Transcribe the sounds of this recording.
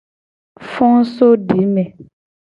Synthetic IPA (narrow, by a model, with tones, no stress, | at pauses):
fɔ̃˦ŋ˦so˦ɖi˨˦mɛ̃˨